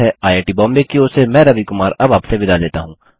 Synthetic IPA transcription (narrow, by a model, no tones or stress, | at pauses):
ɦɛʔaːeːʈibɔ̃ːmbekioːsemɛ̃ːɾɐʋikʊmaːɾɐbaːpsebɪd̪aleːt̪aɦũː